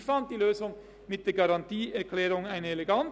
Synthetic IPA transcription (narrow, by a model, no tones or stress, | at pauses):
fɑnt̪̚d̪iːløːsʊŋ | mɪt̪̚d̪eːɡɑɾɑnt̪iːɛɾkʰlɛːɾʊŋæɪnəɛlɛɡɑn